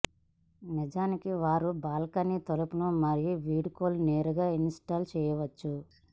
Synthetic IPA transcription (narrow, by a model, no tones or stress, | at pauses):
nid͡ʒaːnikiʋaːɾubaːlɐkɐnit̪olɐpunumɐɾijuʋiːɽkoːlneːɾuɡaːinsʈaːlt͡ʃɛːjɐʋɐt͡ʃːu